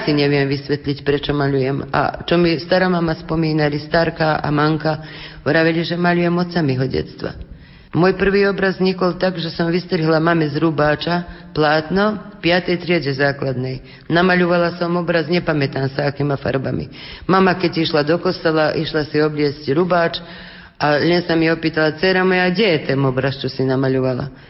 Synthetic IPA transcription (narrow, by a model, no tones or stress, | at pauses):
siɲɛʋɪɛmʋisʋɛt̪ʎicpɾɛt͡ʃɔmaʎujɛma̰t͡ʃɔmist̪aɾamamaspɔmiːnalist̪aɾkaʔa̰maŋkaɾaʋɛliʒɛmaʎujɛmɔt̪t͡samiɦɔɟɛ̰t̪t͡st̪ʋa̰ | mɔjpr̩ʋiːɔbɾazɲikɔlt̪aɡʒɛsɔmʋist̪ɾiɦlamamɛzɾubaːt͡ʃaplaːt̪nɔpɪat̪ɛjt̪ɾɪɛɟɛzaːklad̪nɛj | namaʎuʋalasɔmɔbɾazɲɛpamɛt̪aːmsaakimafa̰ɾba̰mḭmamakɛɟiʃlad̪ɔkɔst̪alaʔiʃlasiɔblɪɛscɾubaːt͡ʃ | aʎɛnsamiɔpiːt̪alat͡sɛɾamɔjaɡɟɛjɛt̪ɛnɔbɾast͡ʃɔsinamaʎuʋala̰